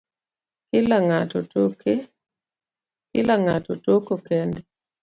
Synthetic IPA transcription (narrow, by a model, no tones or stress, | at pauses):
kɪlaŋatotoke | kɪ̰laŋatotokokɛndɛ